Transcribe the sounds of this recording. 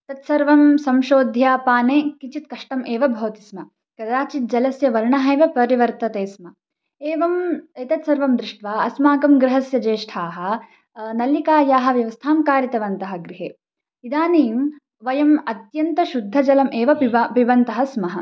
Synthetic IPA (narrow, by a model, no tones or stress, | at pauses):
t̪ɐt̪sɐɾʋɐmsɐmʃoːd̪ʱjaːpaːneːkit͡ʃit̪kɐʂʈɐmʔeːʋɐbʱɐʋt̪i̥smɐ | kɐd̪aːt͡ʃit̪̚d͡ʒɐlɐsjɐʋɐɾɳɐɦɐjʋɐpɐɾiʋɐɾt̪ɐt̪eːsmɐ | eːʋɐmet̪ɐt̪sɐɾʋɐmd̪ɾɪʂʈʋaːɐsmaːkɐmɡɾɪɦɐsjɐd͡ʒeːʂʈʰaːɦɐ̆ | nɐlikaːjaːɦɐ̆ʋjɐʋɐst̪ʰaːmkaːɾjɐt̪ɐʋɐnt̪ɐɦɐ̆ɡɾiɦeː | id̪aːniːm | ʋɐjɐmɐt̪jɐnt̪ɐʃud̪ʱːɐd͡ʒɐlɐmʔeːʋɐɐpiʋɐnt̪ɐɦɐsmɐɦɐ